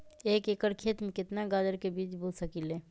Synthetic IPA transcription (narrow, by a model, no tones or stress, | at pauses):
eːkekəɾkʰeːt̪mẽkɪt̪naɡaːd̪əɾkebiːt͡ʃbʱud͡ʒsəkileː